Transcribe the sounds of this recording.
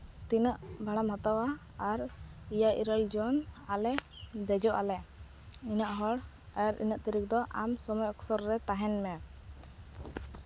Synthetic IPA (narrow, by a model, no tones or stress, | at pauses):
t̪inəʔbʱaɽamɦat̪awaː | ɾijaʔḭɾəld͡ʒɔnalɛ | d̪ɛd͡ʒɔʔalɛ | inaʔɦɔɽ | aaɾḭnaʔt̪iɾik̚d̪ɔʔamsɔmɔjɔksɔɾɾɛt̪aɦɛnmɛ